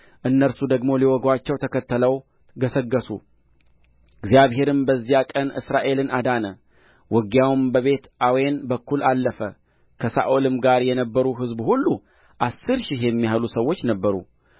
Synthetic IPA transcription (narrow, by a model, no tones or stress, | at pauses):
ʔɨnːəɾsud̪əɡmo̞liwɔɡwat͡ʃːɛwt̪ʰəkʰət̪ːələw | ɡəsəɡːəsṵ | ɨɡzjaβɦe̞ɾɨmbəzːijakʼənʔɨ̰sɾaʔe̞lɨnad̪anə | wʔɔɡjawmbəβe̞t̪ʔawenbəkːulalːəfə | kʰəsa̰ʔolɨmɡaɾjɛnəbːəɾuɦɨzbhulːu | ʔasːɨɾʃɪhjɛmːihalusəwːo̞t͡ʃːnəbːəɾṵ